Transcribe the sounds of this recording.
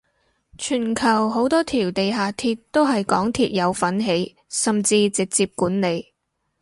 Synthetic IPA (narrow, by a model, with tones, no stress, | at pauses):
t͡ʃʰyː˨˩nkʰɐ˨˩wɦo˨˥wt̪ɔː˥t̪ʰiː˨˩wt̪e˨jɦaː˨t̪ʰiː˧tt̪ːo˥wɦɐ˨jkɔː˨˥ŋt̪ʰiː˧t̚jɐ˨˧wfɐ˨˥nɦe˨˥j | sɐ˨mt͡siː˧t͡sɪ˨k̚t͡siː˧p̚kuː˨˥nne˨˧j